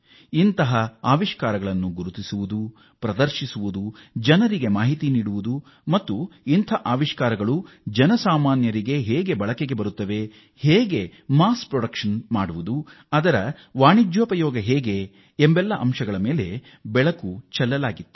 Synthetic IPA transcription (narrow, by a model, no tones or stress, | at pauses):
int̪ɐɦɐaːʋiʃkaːɾɐɡɐɭɐnːuɡuɾut̪isuʋud̪u | pɾɐd̪ɐɾʃisuʋud̪ud͡ʒɐnɐɾiɡe̞maːɦit̪iniːɽuʋud̪u | mɐt̪ːuint̪ʰɐʔaːʋiʃkaːɾɐɡɐɭu | d͡ʒɐnɐsaːmaːnjɐɾiɡe̞ɦeːɡe̞bɐɭɐkeɡe̞bɐɾut̪ːɐʋe̞ | heːɡe̞maːspɾɔɽɐkʂɐnmaːɽuʋud̪u | ɐd̪ɐɾɐ | ʋaːɳid͡ʒʋɐpɐjɔːɡɐɦɛːɡe̞ː | mbɛlːɐʔɐmʃɐɡɐɭɐmeːle̞ | bɛɭɐkut͡ʃɛlːɐlaːɡit̪ːu̥